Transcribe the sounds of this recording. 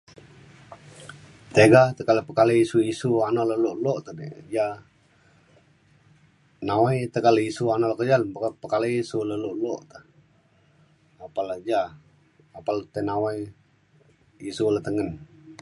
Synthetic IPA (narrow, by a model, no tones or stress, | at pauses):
t̪eɡat̪əkaləpəkaləisuisuanɔləluʔloʔt̪ənəja | nawajt̪əkaləisuanɔʔlaʔkəd͡ʒalpkapəkaleisuləluʔloʔt̪ə | apalad͡ʒaː | palt̪ənawaj | isulət̪əŋən